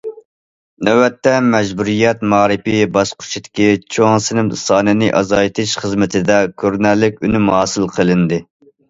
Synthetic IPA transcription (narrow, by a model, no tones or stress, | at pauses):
nɛwɛt̪ːɛmɛʒbuɾijɛt̪mɑːɾɨpɪbɑsqʰʊ̥ʃʰid̪ɪ̥kʲit͡ʃʰoŋsɨnɪmsɑːnɨnɨʔɑ̰zɑjt̪ʰɨʃχəzmɪt̪ʰɪd̪ɛkʲʰøɾnælːɪkʲynymhɑːsɨlˠqʰəlˠɨnd̪ɨ